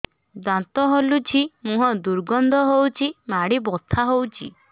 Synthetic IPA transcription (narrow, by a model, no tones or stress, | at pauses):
d̪ãt̪ɔɦolut͡ʃʰimũɦɔd̪uɾɡɔnd̪ʱɔɦowt͡ʃʰimaɽibɔt̪ʰaɦowt͡ʃʰḭ